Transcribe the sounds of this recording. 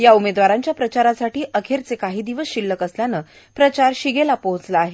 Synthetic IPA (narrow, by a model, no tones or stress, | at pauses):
jaumed̪ʋaɾaɲt͡ɕjapɾət͡ɕaɾasaʈiːʔəkʰeɾt͡sekaɦiːd̪iʋəsɕilːəkəsljanəː | pɾət͡ɕaɾɕiɡelapoɦt͡slaaɦe